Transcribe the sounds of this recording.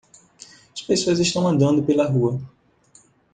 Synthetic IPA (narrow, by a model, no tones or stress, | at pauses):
ɐspesoɐzɪʃt̪ɐ̃w̃ɐ̃nd̪ɐ̃nd̪ʊpelɐɦuɐ